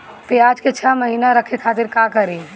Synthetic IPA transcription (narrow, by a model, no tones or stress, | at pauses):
peaːd͡ʒket͡ʃʰəməɦiːnaɾəkʰekʰaːt̪ɪɾkakəɾi